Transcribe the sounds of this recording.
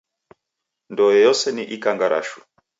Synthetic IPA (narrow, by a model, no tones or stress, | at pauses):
ndɔjɛjɔsɛniʔikaŋɡaɾa̰ʃu̥